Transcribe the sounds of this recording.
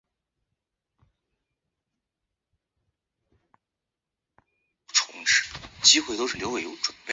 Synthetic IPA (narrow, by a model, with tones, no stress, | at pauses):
ʈ͡ʂʰʊ̰˧˥ŋʈ͡ʂɻ̩˥t͡ɕi˥xwe˥˩ɪt̪o˥ʊʂɻ̩˥˩ljo˧˥we˨˩ɪjo˧˥ʊʈ͡ʂwə˨˩npe˥